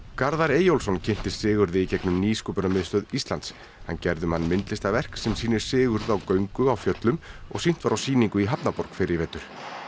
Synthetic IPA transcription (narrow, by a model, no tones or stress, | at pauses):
kaɾðaɾeːjowlsɔncʰɪn̥t̪ɪ̥sɪːɣʏɾðɪicɛknʏmniːskɔpʏɾnamɪðst̪œːðist̪lant̪s | ha̰ncɛɾðʏmhanːmɪnt̪lɪst̪avɛr̥ksɛmsiːnɪɾ̥sɪːɣʏɾðʏawkœɥŋkʏawfjœt̪lʏmɔ̰ɣsin̥t̪vaɾawsiːniŋkʏiɦapnapɔɾ̥kfɪɾɪɾvɛːt̪ʏɾ̥